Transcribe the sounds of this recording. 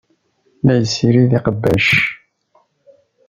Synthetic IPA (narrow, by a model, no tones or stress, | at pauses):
mæjəsːiɾiðiqəbːæʃ